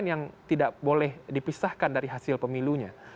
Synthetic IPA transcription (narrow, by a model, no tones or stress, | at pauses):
njaŋt̪idaʔbolɛhdipisahkandaɾiɦasɪlpəmiluɲa